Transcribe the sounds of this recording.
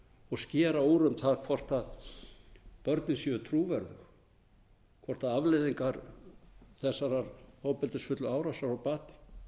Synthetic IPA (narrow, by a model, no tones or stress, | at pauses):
ɔɣscɛːɾaowɾʏmθaðkʰvɔr̥t̪að | pœɾt̪nɪnsjʏðʏt̪ʰɾuːvɛɾðʏx | kʰvɔr̥t̪aðavlɪðiŋkaɾ | θɛsːaɾaɾhoːwpɛlt̪ɪsfʏt̪lʏaːwɾasaɾawpaːt̪̚nɪ̥